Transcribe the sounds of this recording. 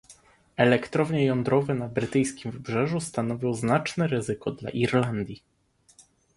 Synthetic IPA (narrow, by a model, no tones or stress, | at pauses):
ɛlɛkt̪ɾɔvɲɛjɔnd̪ɾɔvɛnabɾɘt̪ɘjskʲimvɘbʐɛʐust̪anɔvʲjɔ̃wznat͡ʂnɛɾɘzɘkɔd̪la̰ʔiɾland̪ʲji